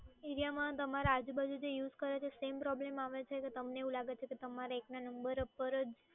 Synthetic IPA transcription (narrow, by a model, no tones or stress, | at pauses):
iɾijamãt̪əmaɾaad͡ʒubad͡ʒʱud͡ʒejuzkəɾet͡ʃʰesempɾɔblemaʋet͡ʃʰeket̪əmneeũlaɡet͡ʃʰeket̪əmaɾeeknanəmbəɾpəɾəd͡ʒ